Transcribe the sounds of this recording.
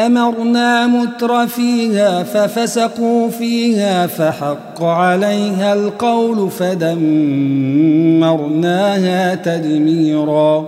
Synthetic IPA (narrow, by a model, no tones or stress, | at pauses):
ʔamɑɾˤnaːmʊt̪ɾˤɑfiːhaːfafasaquːfiːhaːfaħɑqːʕalajɦalqɑwlʊfad̪am | ɑɾˤnaːhaːt̪ad̪miːɾɑː